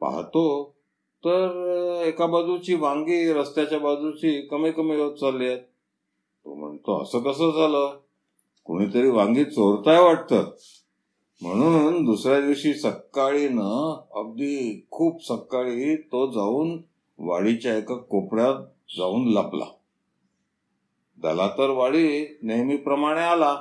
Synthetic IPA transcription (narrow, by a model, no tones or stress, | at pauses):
pa̰ɦt̪o | t̪əɾekabad͡zut͡ɕiːʋãŋɡiːɾəst̪jat͡ɕjabad͡zut͡ɕiːkəmijkəmiot̪̚d͡zalːejet̪̚ | po̰m̤ə̰ɳt̪oə̰səːkəsəːd͡zʱaləː | ko̰ɽ̃iːt̪əɾiːʋãŋɡiːt͡soɾt̪ajʋaʈ̚t̪a̰t̪̚ | m̤əɽ̃uːnd̪usɾjad̪iʋɕiːsəkːaɭinəəɡd̪iːkʰuːpsəkːaɭiːt̪od͡zauːn | ʋa̰ɭit͡ɕjaekakopɽjat̪ | d͡zauːnlapla̰ | d̪a̰lat̪əɾʋaɭiːnejmiːpɾəmaɽ̃eala